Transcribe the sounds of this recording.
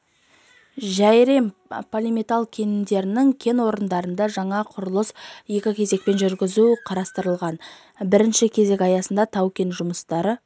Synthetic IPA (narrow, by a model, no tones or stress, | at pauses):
ʒæjɾe̞mpʰolʲimʲet̪alˠkʲʰe̞nɪmd̪e̞ɾɪnɪŋkʲʰe̞nwo̞ɾənd̪ɑɾənd̪ɑʒɑɴɑqʰʊɾəlˠəsje̞kʲɪkʲʰe̞ze̞k̚pe̞nʒʏɾɡʲɪzuqʰɑɾɑst̪əɾəlˠʁɑn | bɪɾɪnʃɪkʲʰe̞ze̞kʲɑjɑsənd̪ɑt̪ʰɑwkʲe̞nʒʊməst̪ɑɾə